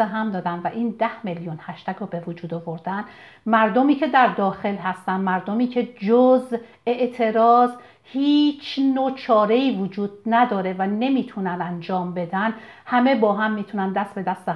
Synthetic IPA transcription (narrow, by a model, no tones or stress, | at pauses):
eɦæmd̪ɒːd̪ænvæʔiːnd̪æhmeljunhæʃt̪ʰæɡɔːbe̞vod͡ʒuːd̪ovoɾd̪æn | mæɾd̪omiːcʰe̞d̪æɾd̪ɒːxe̞lɦæst̪ænmæɾd̪omiːcʰe̞d͡ʒoz | e̞ʔt̪ʰe̞ɾɒːz | hiːt͡ʃʰnot͡ʃʰɒːɾeiːvod͡ʒuːd̪̥̚næd̪ɒːɾe̞væne̞miːt̪ʰunænd̪ænd͡ʒɒːmbe̞d̪æn | hæme̞bɒːɦæmːiːt̪ʰunænd̪æst̪be̞d̪æst̪e